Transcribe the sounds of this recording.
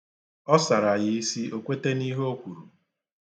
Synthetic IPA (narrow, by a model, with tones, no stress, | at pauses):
ɔ˦sa˨ɾa˨jɪ˦i˦si˦o˦kʷe˦te˦ni˦ɦo˦kʷu˨ɾu˨